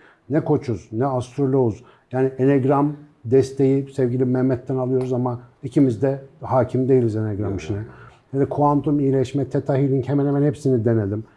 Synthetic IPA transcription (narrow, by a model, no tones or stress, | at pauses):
nɛkʰo̞t͡ʃʰuznɛast̪ʰɾolʲoz | jaːnieneɡɾamd̪ɛst̪ʰe̞jisɛvɟilʲimɛmmːɛt̪ʰːɛnalˠɯjo̞ɾuzamaicʰimizd̪ɛhaːcʰimd̪e̞jilʲizeneɡɾamiʃinɛnɛd̪ɛkʰuant̪umijːlʲɛʃmɛt̪ʰɛt̪ʰaɦilʲincʰemɛnemɛnhepsinid̪e̞ned̪ʲim